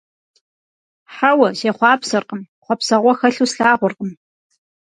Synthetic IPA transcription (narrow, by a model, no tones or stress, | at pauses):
ħawɐzeːχʷɑːpsɐrqəm | χʷɔpsɐʁʷɔxɐɬuːsɬaːʁʷʊrqʼəm